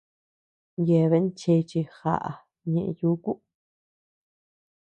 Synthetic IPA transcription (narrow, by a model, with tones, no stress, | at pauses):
je˧˨˧βe˧˦t͡ʃe˧t͡ʃi˧xa̰˧˨ʔa̰˨˧ | ɲẽ˧ʔju˦ku˦ʔ